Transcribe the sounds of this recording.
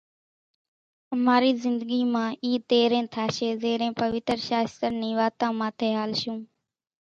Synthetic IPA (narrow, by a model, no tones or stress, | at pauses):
əmaːɾiːzɪnd̪əɡiːmãːʔiːt̪eːɾẽːt̪ʰaːʃeːzeːɾẽːpəʋɪt̪ɾʃaːst̪əɾnĩːʋaːt̪ãːmãːt̪ʰeːɦaːlʃũː